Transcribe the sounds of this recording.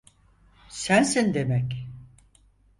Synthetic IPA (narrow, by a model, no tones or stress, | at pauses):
sænsind̪emɛc